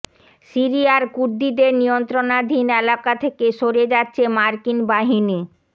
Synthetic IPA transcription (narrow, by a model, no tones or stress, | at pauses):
siɾiaɾkuɾd̪id̪eɾnijont̪ɾonad̪ʱinɛlakat̪ʰekeʃoɾed͡ʑatːɕʰemaɾkinbaɦini